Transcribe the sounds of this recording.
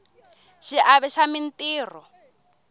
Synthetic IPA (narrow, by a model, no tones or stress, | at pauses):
ʃiʔaβɛʃamintʼiːrɔ